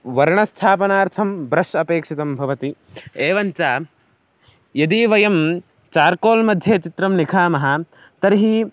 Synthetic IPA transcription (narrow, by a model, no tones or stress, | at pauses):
ʋɐɾɳɐst̪ʰaːpɐnaːɾt̪ʰɐmbɾɐʂɐpeːkʂit̪ɐmbʱɐʋɐt̪i | eːʋɐnt͡ʃaː | jɐd̪iːʋɐjɐm | t͡ʃaːɾkoːlmɐd̪ʱjeːt͡ʃit̪ɾɐmnikʰaːmɐɦɐ | t̪ɐɾɦi